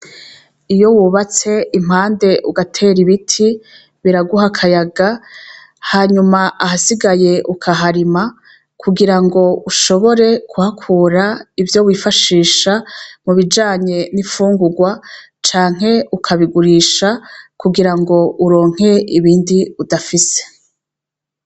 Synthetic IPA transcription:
ijo̞wuβat͡se̞im̥aːnde̞ʔuɡatʰe̞ːɾiβitʰi | βiɾaɡuhakʰajaɡa | haːɲumaʔahasiɡaje̞ʔukʰaɦaɾima | kʰuɡiɾaŋɡo̞uʃo̞βo̞ɾe̞kʰuhakʰuːɾaivjo̞βwiːfaʃiːʃamuβid͡ʒaːɲe̞nifuːŋɡuɡwa | t͡ʃaːŋ̥e̞ukʰaβiɡuɾiːʃakuɡiɾaŋɡo̞uɾo̞ːŋ̥he̞iβiːndiudafise̥

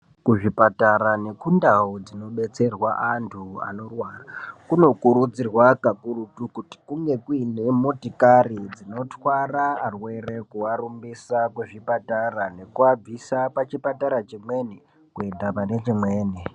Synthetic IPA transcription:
kuʐipataɾane̞kundaod͡zino̞ɓe̞t͡se̞rwaʔantʰua̰no̞rwaːrakuno̞kuɾud͡zirwakakurutukuti̥kuŋɡe̞kuine̞motikarid͡zino̞twaraːrwe̞re̞kuwarumbisakuʐipatarane̞kuab͡visapat͡ʃipataɾat͡ʃimwe̞ni | kue̞ndapane̞t͡ʃimwe̞ːni

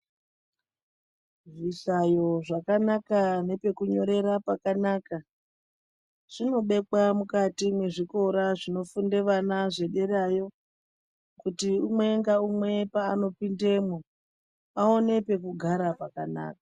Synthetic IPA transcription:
ʐisajo̞ʐakanakane̞pe̞kuɲo̞ɾe̞ɾapakanaːka | ʐ̥ino̞ɓe̞kwamukatimwe̞ʐiko̞ɾaʐino̞funde̞ʋanaʐe̞ɗe̞ɾajo̞ | kutiumwe̞ŋɡaumwe̞paːno̞pinde̞mo | aone̞pe̞kuɡʱaɾapakana̰ːkḁ

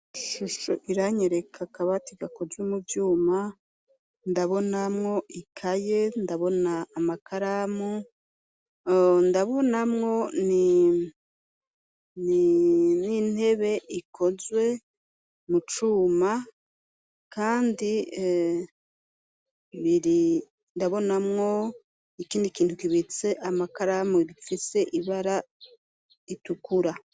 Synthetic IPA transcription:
ʃuʃoʔiɾaɲeɾe̞kʰakaβatiɡakod͡ʒwumuvjuːma | ndaβo̞namŋo̞ʔikʰaje̞ndaβo̞naːmakʰaɾamu | ndaβo̞namŋo̞ni | nininhe̞βe̞ʔikʰo̞zwe̞ | mut͡ʃuːma | kaːndi | βiɾi | ndaβo̞namŋo̞ | ikiːndikiːntukiβit͡se̞ʔamakaɾamuiɾifise̞ʔiβaɾa | itukuɾa

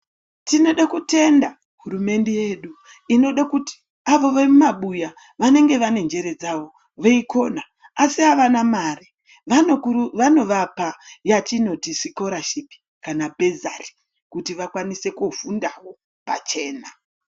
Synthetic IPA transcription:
tino̞ɗakute̞nda | ɦuɾume̞nde̞je̞ɗu | ino̞ɗakuti̥ | aʋo̞ʋarumaɓuja | ʋane̞ŋɡe̞ʋane̞nd͡ʒe̞ɾe̞d͡zaʋo̞ | ʋeiko̞na | asiaʋanamari | ʋaokuʋano̞ʋapajatino̞tisiko̞ɾaʃipi̥ | kanabʱe̞za̰ri̥ | kutiʋakwanise̞kufundawo̞ | pa̰t͡ʃe̞ːna

